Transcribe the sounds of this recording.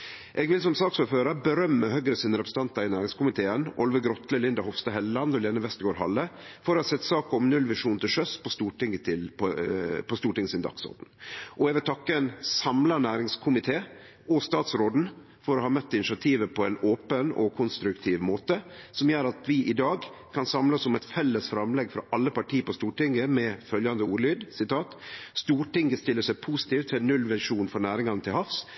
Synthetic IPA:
ʔɛːɡʋɪlsɔmsɑːksʉːføːɾəbəɾœmːəhœɡɾəsiːnəɾɛpɾəsn̩t̪ɑnt̪ɑɾɪnæːɾɪŋskʊmɪt̪ʰeːənʔɔ̰lʋəɡɾɔt̪ləlɪnd̪ɑhɔfst̪ɑhɛlːɑnd̪ɔleːnəʋɛst̪əɡoːɾɦɑ̰lːəfɔɾɔhɑsɛt̪ːsɑːkɔmnʉlʋɪʂuːnt̪ʰɪlʂœspʰɔst̪uːʈɪŋːət̪ʰɪlppʰɔst̪uːʈɪŋːəsɪnd̪ɑ̰ksɔ̰d̪n̩ʔɔɛɡʋɪlt̪ʰɑkːəɛnsɑmlɑnæːɾɪŋskʰʊmɪt̪ʰeː | ɔst̪ɑːt̪sɾoːd̪n̩ | fɔɾɔhɑːmœt̪ːɪnɪʂɪɑt̪ʰiːʋəpʰɔɛnoːpənɔ̰kʰʊnst̪ɾʉkt̪ʰiːʋmoːt̪əsɔmjøːɾɑt̪ʋɪʔɪd̪ɑːɡkʰɑnsɑmlɑsːɔmɛt̪fɛlːəsfɾɑmlɛɡfɾɑ̰ʔɑlːəpɑʈʰiːpɔst̪uːʈɪŋːəmɛfœljɑnd̪əuːɾlyːd̪sɪt̪ʰɑːt̪st̪uːʈɪŋɡəst̪ɪlːəʂæɪpʰuːsɪ̥t̪iːft̪ʰɪnːʉlʋæʂuːnfɔɾnæːɾɪŋɑnət̪ʰɪlhɑfs

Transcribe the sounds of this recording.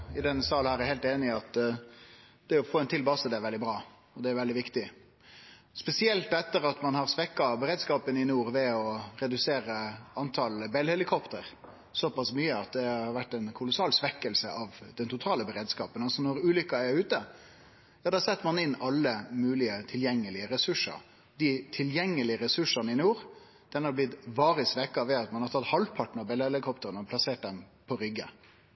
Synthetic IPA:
ɪd̪ɛnːəsɑlhæːɾɛɾheɪlt̪eːnɪɑt̪ | d̪̥ɛɔfoːɛnt̪ʰɪlbɑsəd̪ɛːɾʋɛld̪ɪbɾɑː | ɔd̪ɛæɾʋɛld̪ɪʋɪkt̪ɪ | spɛsɪɛlt̪ɛt̪ːəɾɑt̪mɑnhɑɾsʋɛkːɑbəɾeːd̪skɑːpənɪnuːɾʋɛɔɾɛd̪ʉseːɾəɑnt̪ʰɑlbɛlhɛlɪkʰɔpt̪əɾ | sɔpɑsmyːəɑt̪̚d̪ɛɑɑʋæʈːɛnkʰʊlʊsɑːlsʋɛkːəlsə̰ʔɑʋd̪ɛnt̪ʰʊt̪ʰɑːləbəɾeːd̪skɑːpənɑlsɔnɔɾʉːlʏkːɑæɾʉːt̪ə | d̪ɑːd̪ɑːsɛt̪ːmɑnɪnːɑlːəmʉːlɪət̪ʰɪljɛŋːəlɪəɾɛsʉʂə̰ɾ | d̪ɪt̪ʰɪljɛŋːəlɪəɾɛsʉʂɑnəɪnjuːɾ | d̪̥ɛnhɑɾblɪt̪ʋɑːɾɪsʋɛkːɑʋɛɑt̪mɑnhɑɾt̪ʰɑt̪hɑlpʰɑʈn̩ɑbɛlhɛlɪkʰɔpt̪əɾənəɔpʰlɑseːʈ̚d̪ɛmpʰɔɾʏɡːə̰

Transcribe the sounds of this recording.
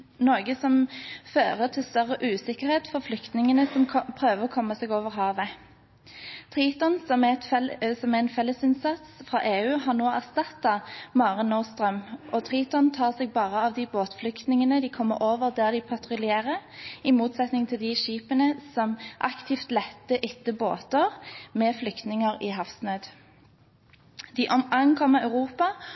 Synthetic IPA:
noːɡəsɔmføːʁəʁt̪ʰɪlst̪œʁəʔʉːsɪkəʁheːt̪fɔʁflʏkt̪nɪŋənəsɔmpʰʁøːʋəʁɔkʰɔmːɑseːɡoːʋəʁɦɑːʋə | t̪ʰʁiːt̪ɔnsɔmɛt̪sɔmæɛnfɛlːəsɪnsɑt̪sfʁɑ̰ːʔeːʉːɦɑʁnoːæʁst̪ɑt̪ːɑmɑːʁɪnːɔʁst̪ʁœmʔɔt̪ʰʁiːt̪ɔnt̪ʰɑːʁseɡ̚bɑːʁəɑʋd̪ɪboːt̪flʏkt̪nɪŋənəd̪ɪkʰɔmːəɾoːʋəʁd̪æːʁd̪ɪpʰɑt̪ʁʊlɪeːʁəɪmuːt̪sɛt̪nɪŋt̪ʰɪld̪ɪʃiːpənəsɔmʔɑ̰kt̪ʰɪft̪lɛt̪ːəʔɪt̪ːəbo̰ːt̪əʁmɛːflʏkt̪nɪŋəʁiɦɑfsnøːd̪ | d̪̥iːʔɔmɑŋkʰɔmːəɑʉʁuːpɑ

